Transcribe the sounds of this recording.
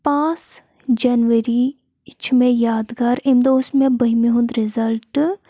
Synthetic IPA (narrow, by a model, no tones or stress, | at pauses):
pãːs | d͡ʒɐnʋəɾi | t͡ʃʰmẽjaːd̪ɡɐɾɪmd̪oːsmẽbəɦimiɦʊ̃nd̪ɾɪzɐlʈ